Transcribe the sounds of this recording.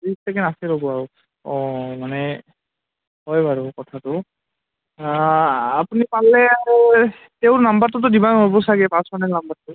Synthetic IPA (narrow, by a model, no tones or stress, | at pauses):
ɹistɛkɛnasɛɾɔbɔaɹu | ɔmanɛ | ɦɔjbaɹukɔtʰatʊ | apunipalɛa | teʊnambatʊtʊdibanobɔsaɡɛpãsɔnɛnambaɹtʊ